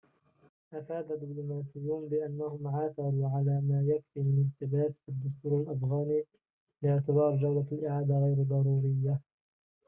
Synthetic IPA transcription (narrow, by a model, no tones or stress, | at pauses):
ʔafaːd̪ad̪ːɪblʊmaːsɪjːuːnbɪʔanːahʊmʕaːθɑɾˤuːʕalaːmaːjakfiːmɪnɪlt̪ɪbaːsɪd̪ːʊst̪uːɾalʔafɣaːniː | lɪɪʕt̪ɪbɑːɾˤd͡ʒawlaalʔɪʕaːd̪aɣajɾd̪ˤɑɾˤuːɾɪjːa